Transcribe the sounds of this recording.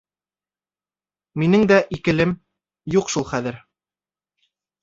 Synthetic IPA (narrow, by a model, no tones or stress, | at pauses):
minɘŋd̪æʔikɘ̆lɘm | juqʃulˠχæðɘɾ